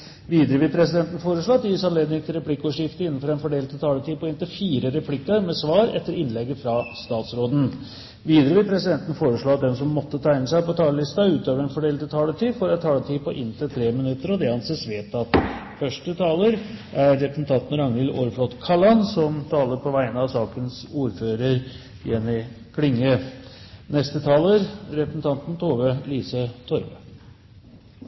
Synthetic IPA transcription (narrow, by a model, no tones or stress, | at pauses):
ʋiːd̪əɾəʋɪlpʰɾɛsɪd̪ɛnt̪n̩foːɾəʂɭoːɑt̪ːjisɑnleːd̪nɪŋt̪ʰɪlɾɛpʰlɪkːɔːʂɪft̪əɪnːn̩fɔɾɛnfɔɖeːlt̪ʰət̪ʰɑːləʈ̪iːpʰɔɪnt̪ɪfiːɾəɾɛpʰlɪkːəɾmɛsʋɑːɾɛ̰t̪ːəɾɪnlɛɡːəfɾɑst̪ɑːt̪sɾoːd̪n̩ | ʋiːd̪əɾəʋɪpʰɾɛsɪd̪ɛnt̪ən̩foːɾəʂɭoːɑt̪̚d̪ɛnsɔmːɔt̪ːət̪ʰæɪnəsæɪpɔt̪ʰɑːləlɪst̪ɑʉːt̪øːʋəɾɛnfɔɖeːlt̪t̪ʰɑːləʈiːfɔɾɛt̪ʰːɑːlət̪ʰiːpɔʔɪnt̪ʰɪlt̪ʰɾeːmɪnʉt̪ːəɾɔd̪ɛhɑnseːsʋeːt̪ɑt̪ | fœʂʈət̪ʰɑːləɾʔæɾːɛpɾəsn̩t̪ʰɑnt̪n̩ɾɑŋnɪloɾflɔt̪kʰɑlɑnsɔmt̪ʰɑːləɾpʰɔʋæɪənəɑʋsɑːkənsuːɾføːɾəɾ | jɛnːɪ | kʰlɪŋːə | nɛst̪ət̪ʰɑːləɾɾɛpɾəsn̩t̪ʰɑnt̪n̩t̪ʰoːʋəliːsət̪ʰɔɾʋə